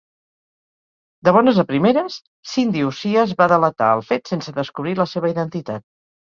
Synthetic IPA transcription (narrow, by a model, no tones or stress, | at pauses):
d̪əβ̞ɔnəzəpɾimeɾəs | sind̪iusiəzβaðələt̪a̰əlˠfet̪sensəðəskuβɾiləseβ̞əiðənt̪it̪at̪̚